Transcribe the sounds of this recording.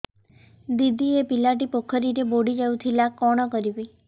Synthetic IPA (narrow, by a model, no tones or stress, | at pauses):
d̪id̪iepilaʈipokʰəɾiɾeboɽid͡ʒaũt̪ʰilakɔɽ̃ɔkəɾiboi